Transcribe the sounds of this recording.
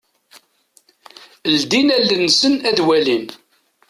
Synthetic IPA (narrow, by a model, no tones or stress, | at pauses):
əld̪inælːənːsənæðwælin